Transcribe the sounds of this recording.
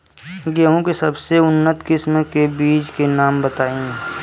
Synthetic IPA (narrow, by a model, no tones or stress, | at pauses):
ɡeɦõkesəbseʊnːət̪kɪsmkebiːd͡ʒkenaːmbət̪aːĩː